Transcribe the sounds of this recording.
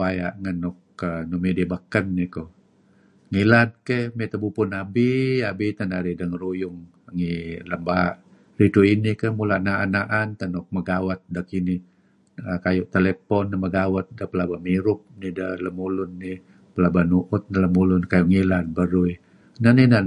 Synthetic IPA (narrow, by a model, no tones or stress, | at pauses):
aja̰ʔŋənːɔkːənumidibəkənːiko | ŋilat̪̚kehmɛt̪əbupʊnabiabit̪ənaɾidəŋəɾujʊŋ | əŋiləmbaʔ | rit̪uinikəhmulaʔnaʔanaʔant̪ənɔk̚məɡawət̪̚dəkini | əkajʊʔt̪elepɔnːəməɡawət̪̚dəpəlabamiɾʊp̚nidələmulʊnːi | pəlabanuʔʊt̪̚nələmulʊnkajuʔŋilad̪̚bəɾui | nanihna